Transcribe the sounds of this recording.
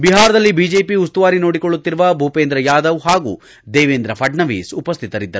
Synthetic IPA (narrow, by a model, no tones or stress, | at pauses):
biɦaːɾɐd̪ɐlːibid͡ʒeːpiust̪uʋaːɾino̞ːɽikoɭːut̪ːiɾuʋɐbʱuːpeːnd̪ɾɐjaːd̪ɐʋɦaːɡṵː | d̪eːʋeːnd̪ɾɐpʰɐɖɳɐʋḭːsupɐst̪ʰit̪ɐɾid̪ːɐɾu